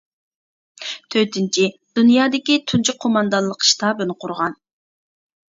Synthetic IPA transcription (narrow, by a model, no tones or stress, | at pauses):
t̪ʰøt̪ʰɪnt͡ʃʰid̪̥unjɑːd̪ɪkʲit̪ʰunt͡ʃʰikqʰːomɑnd̪ɑnlˠəqʰʃt̪ʰɑbønɨqʰʊɾʁɑn